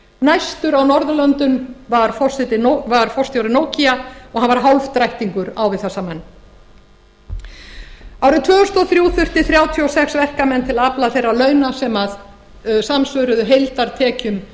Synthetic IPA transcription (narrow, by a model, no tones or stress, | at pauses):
najst̪ʏɾawnɔɾðʏlœnt̪ʏnvaɾ̥fɔr̥sɛt̪ɪnovaɾ̥fɔr̥st̪jawɾɪnoːwciaɔɣhanvaɾ̥ɦawlvt̪ɾajht̪iŋkʏɾawvɪðθɛsːamɛnː | awɾɪt̪ʰvœːʏst̪ɔθɾjuːθʏr̥t̪ɪθɾjaːwt̪ʰiɔsɛksvɛhkamɛnːt̪ʰɪlaplaθejrːalœːɥnasɛmað | samsvœɾʏðʏɦejlt̪aɾ̥t̪ʰɛːcʏm